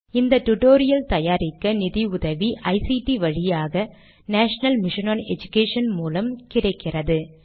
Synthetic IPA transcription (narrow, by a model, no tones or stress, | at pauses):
ɪnd̪ɐʈʊʈoːɾɪjɐlt̪ɐjaːɾɪkːɐnɪðiʊðɐʋiʔɐɪsiʈiʋɐɻɪjaːɣɐ | naːʂɐnɐlmɪʂɪnɐːnɛ̰d͡ʒʊkeːʂɐnmuːlɐmkɪrɐɪkːɪrɐðɯ